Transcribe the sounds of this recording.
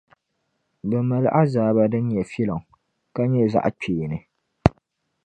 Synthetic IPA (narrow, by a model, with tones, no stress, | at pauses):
bɛ˨mɛ˨lʔa˦zaː˨ba˦dɨ˦nɲɛ˨fi˦lɔ˨ŋ | ka˦ɲɛ˦˨za̰˨ʔk͡peː˨nɨ˨